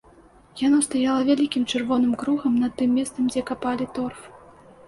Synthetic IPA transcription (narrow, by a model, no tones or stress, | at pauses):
janɔst̪ajalˠɐvʲalʲikʲimt͡ʂɨrvɔnɨmkɾuɣɐmnɐt̪ːɨmʲːɛst̪sɐmd͡zʲɛkapalʲit̪ɔrf